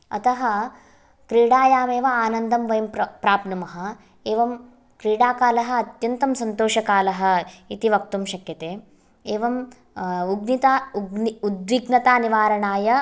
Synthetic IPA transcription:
ɐ̰t̪ɐɦɐ | kɾiːɽaːjaːmeːʋɐaːnɐnd̪ɐmʋɐjɐmppɾaːpnɐmɐɦɐ̆ | eːʋɐm | kɾiːɽaːkaːlɐɦɐ̆ɐt̪jɐnt̪ɐmsɐnt̪oːʃɐkaːlɐɦɐ̆it̪iʋɐk̚t̪umʃɐkjɐt̪eː | eːʋɐm | uɡnit̪auɡnud̪ʋiɡnɐt̪aːniʋaːɾɐɳaːjɐ

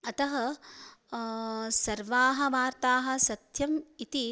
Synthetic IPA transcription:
ɐt̪ɐɦɐ | sɐɾʋaːɦɐ̆ʋaːɾt̪aːɦɐ̆sɐt̪jɐmit̪i

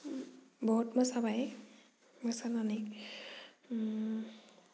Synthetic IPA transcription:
bɔɦutmasabaj | masanani

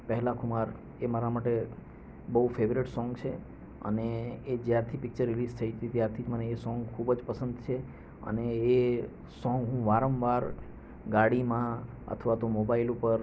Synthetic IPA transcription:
pəɦɛlakʰumaɾ | emaɾamaʈe | bəɦufeʋɾɪʈsɔŋɡt͡ʃʰe | ə̰neːd͡ʒjaɾt̪ʰipɪk̚t͡ʃəɾːɪlizt̪ʰəit̪it̪jaɾt̪ʰiməneːsɔ̃ŋɡkʰubd͡ʒpəsənd̪t͡ʃʰe | ə̰neː | sɔ̃ŋɡɦũʋaɾəmʋaɾ | ɡaɽimã | ə̰t̪ʰʋat̪omobailupəɾ

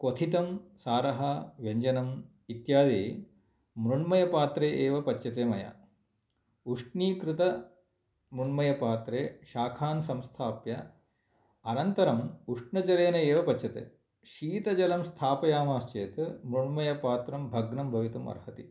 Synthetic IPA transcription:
kot̪ʰit̪ɐmsaːɾɐɦɐʋeɲd͡ʒɐnɐm | it̪jaːd̪eː | mɾuɳmɐjɐpaːt̪ɾeːʔeːʋɐpɐtːʃɐt̪eːmɐjɐ̰ | uʂʈniːkɾɪt̪ɐ | mɾuɳmɐjɐpaːt̪ɾeːʃaːkʰaːnsɐmst̪ʰaːpjɐ | ɐnɐnt̪ɐɾɐmuʂʈɳɐt͡ʃɐɾeːnɐeːʋɐpɐt͡ʃːʃɐt̪ḛː | ʃiːt̪ɐd͡ʒɐlɐmst̪ʰaːpɐjaːmaːst͡ʃeːt̪mɾuɳmɐjɐpaːt̪ɾɐmbʱɐɡnɐmbʱɐʋit̪umɐ̰ɾɦɐt̪i

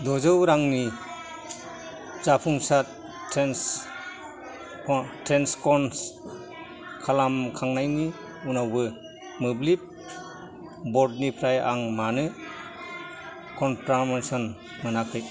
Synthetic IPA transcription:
dɔzɯwɾaŋni | zapʰuŋsat | tʰen | tɾenskɔns | kʰalamkʰaŋnajni | unawbɯ | mɯblip̚ | bɔɾdnipʰɾaja̰ŋmanɯ | kʰɔnpɾamansɔn | mɯnakʰɯj

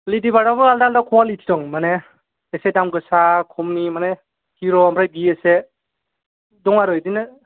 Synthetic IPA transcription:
lidiβaɾaβɯaldaldakʰɔwalitʰi̥tɔŋmane | esedamɡɯsakʰɔmnimane | hiɾɔampʰɾajɡiese | dɔŋaɾɔedinɯ

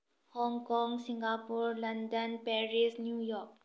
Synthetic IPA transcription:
hɔ̃ːŋkɔ̃ŋɡsɪ̃ŋɡapuɾlɐ̃nɖənpɛɾisnjuːjɔːɾk

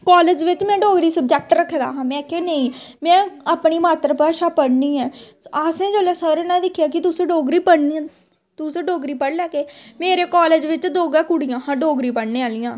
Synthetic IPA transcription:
kɔːleːd͡ʒʋɪt͡ʃmɛ̃ːɖoːɡɾiːsəbd͡ʒɛːk̚ʈɾəkʰːeːd̪a̰ːɦãːmɛ̃ːkʰeːnəĩːmɛ̃ːaːpɳiːmaːt̪ɾəpaːʃaːpəɽniːɛː | aːsẽːd͡ʒoːlaːsəɾnãːd̪ɪkʰjaːkɪt̪ʊsẽːɖoːɡɾiːpəɽnĩ | t̪ʊsẽːɖoːɡɾiːpəɽlɛːkeːmeːɾeːkaːleːd͡ʒʋɪt͡ʃd̪oːɡaːkʊɽɪjãːɦãːɖoːɡɾiːpəɽneːaːlɪjãː

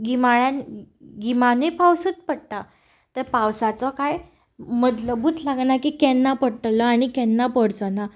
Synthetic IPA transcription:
ɡimaɭjãnɡimanepawsəːt̪pəɽʈ̪a | t̪əɾpawsat͡sɔkaj | məd̪ləbuːt̪ʰlaɡnakikɛnːapəɽʈlɔaɽ̃ikɛnːapəɽt͡səna

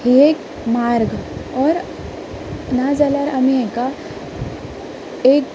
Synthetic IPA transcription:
hieːk | maːɾɡɔːɾ | nad͡ʒalaɾɐmiẽka | eːk̚

